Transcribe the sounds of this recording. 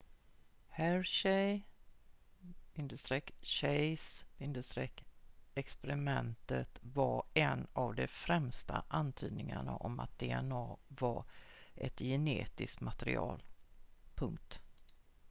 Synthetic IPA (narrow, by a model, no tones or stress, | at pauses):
hæɾʃɛj | vɪnd̪əʂt̪ɾɛkɕɛjsvɪnd̪əʂt̪ɾɛkːɛkspɛɾɪmɛnt̪ət̪vaɾɛnavd̪ɛfɾɛmst̪aʔant̪ʰyːd̪nɪŋaɳaʔɔmat̪̚d̪eɛnɑːvaɾʔɛt̪jɛneːt̪ɪskt̪mat̪ɾɪʔɑ̰ːlpʰɵŋk̚t̪